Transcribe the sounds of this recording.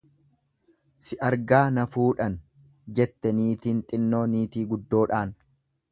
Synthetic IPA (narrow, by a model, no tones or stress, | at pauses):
sɪʔɐɾɡaːnɐfuːᶑɐn | d͡ʒɛt̪ːɛniːt̪iːnt̪ʼɪnːo̞ːniːt̪iːɡʊd̪ːo̞ːᶑaːn